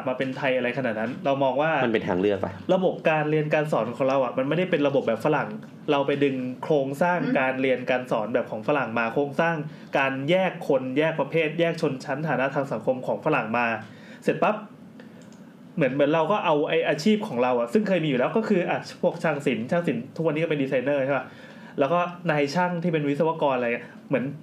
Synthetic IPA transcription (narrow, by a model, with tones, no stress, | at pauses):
a˨˩p̪̚maː˧pe˧nt̪ʰa˧jʔa˧ɾa˧jkʰa˧na˨˩t̪̚na˦˥nɾa˧wmɔː˧ŋwaː˥˩ma˧npe˧nt̪ʰa̰ː˧ŋlɯ˥˩ək̚pa̰˧jɾa˧bo˨˩p̚kaː˧nɾi˧ənkaː˧ns̬ɔː˩˦nkʰɔː˩˦ŋɾa˧wʔa˨˩ma˧nma˥˩jda˥˩jpe˧nɾa˧bo˨˩p̚bɛː˨˩fa˧ɾa˨˩ŋ | ɾa˧wpa˧jdɯ˧ŋkʰloː˧ŋsaː˥˩ŋkaː˧nɾi˧ənkaː˧nsɔː˩˦nbɛː˨˩p̚kʰɔː˩˦ŋfa˧la˨˩ŋmaː˧kʰɾoː˧ŋsaː˥˩ŋ | kaː˧njɛː˥˩kʰːo˧njɛː˥˩k̚pɾa˧pʰeː˥˩t̪̚jɛː˥˩k̚t͡ɕʰo˧nt͡ɕʰa˦˥nt̪ʰaː˩˦na˦˥t̪ʰaː˧ŋsa˩˦ŋkʰo˧mkʰɔː˩˦ŋfa˧ɾa˨˩ŋmaː˧ | se˨˩t̪̚pa˦˥p̚ | mɯ˩˦nmɯ˩˦ənɾa˧wkɔː˥˩ʔa˧wʔa˧jʔaː˧t͡ɕʰiː˥˩p̚kʰɔː˩˦ŋɾa˧wʔa˨˩sɯ˥˩ŋkʰɤː˧jmiː˧ju˨˩lɛ˦˥wkɔː˥˩kʰɯː˧ʔa˨˩pʰu˥˩ək̚t͡ɕʰaː˧˩ŋsi˩˦nt͡ɕʰa˥˩ŋsi˨˩˦nt̪ʰu˥˩kwa˧nːiː˦kːpe˧ndi˧sa˧jnɤː˥˩t͡ɕʰa˥˩ba˦˥ | lɛː˦˥wkɔː˥˩naː˧jt͡ɕʰa˥˩ŋt̪ʰiː˥˩pe˧nwi˦˥t̪sa˧wa˧˩kɔː˧nʔi˥˩ | mɯ˩˦ən